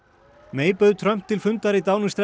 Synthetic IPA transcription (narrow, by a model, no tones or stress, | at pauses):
meːjpœðt̪ʰɾœm̥t̪ʰːɪlfʏnt̪aɾit̪awnʏst̪ɾɛ